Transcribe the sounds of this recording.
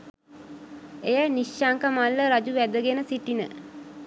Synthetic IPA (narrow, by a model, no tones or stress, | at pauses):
ejæniʃaŋkəmalːəɾad͡ʒuʋæd̪əɡenəsiʈinə̰